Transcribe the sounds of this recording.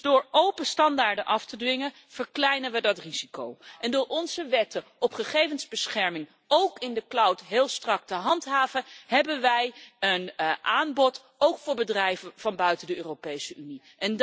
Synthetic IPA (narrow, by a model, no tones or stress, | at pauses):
dʊːɹowpəstɑndaːɹdənʔɑftədʋɪŋən | v̥əɹklɛjnəʋədɑtriz̥ikowʔɛndʊːɹʔɔnzəʋɛtəɔpχəχejvənzbəsχɛɹmɪŋ | owkɪndəklʌwtɦɪːlˠstrɑk̚təɦɑntɦaːvəɦɛbənʋɛjənʔaːnbɔt | owkfʊːɹbədrɛjvənv̥ɑnbœɥtəndəøːropejsəyni | ʔɛn